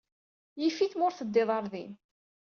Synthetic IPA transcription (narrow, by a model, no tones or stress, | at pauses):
jifiθmʊɾθəd̪ːɪðˤɑɾˤðim